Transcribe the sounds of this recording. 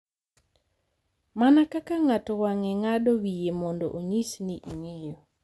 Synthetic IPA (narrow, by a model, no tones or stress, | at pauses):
manakakaŋatɔwaŋɛŋadowijemɔndɔ̰ʔoɲisniʔiŋejɔ